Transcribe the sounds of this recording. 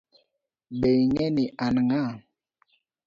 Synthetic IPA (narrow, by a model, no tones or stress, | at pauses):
ɓejŋɛniʔanŋa